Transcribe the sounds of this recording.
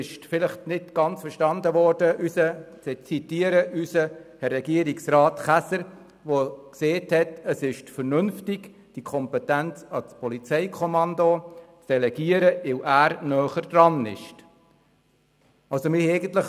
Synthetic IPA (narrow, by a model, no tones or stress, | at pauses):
ɪʃfɪləχtnɪtɡ̥ɑnt͡sfəɾʃtɑnd̪əʋɔːrd̥əʔysət͡sɛt͡sitiəɾəʔysəhɛrːɛɡiəɾiksrɑːtχæsəɾ | ʋokseːthɛtəsɪʃfəɾnʏnftɪɡ | d̥ikʰɔmpɛtænt͡sɑt͡spɔlit͡sɛɪkʰɔmɑnd̪ot͡sd̥ɛlɛɡiəɾəɪwʔæːɾnœːχəɾd̥rɑnɪ̰ʃ | ɑlsomɪhɛɪɡən̩t̪ləχ